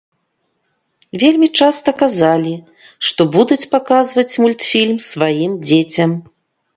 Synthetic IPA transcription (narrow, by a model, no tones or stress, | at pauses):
vʲelʲmʲit͡ʂast̪ɐkazalʲi | ʂt̪ɔbud̪ut͡sʲpakazvɐt͡sʲmulʲt̪fʲilʲmsvajimd͡zʲet͡sʲɐm